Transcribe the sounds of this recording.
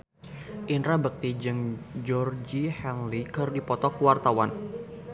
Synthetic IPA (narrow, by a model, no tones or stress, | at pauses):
ʔinɾabək̚t̪id͡ʒɨŋd͡ʒɔrd͡ʒihɛnlikərdipɔt̪ɔkuwart̪awan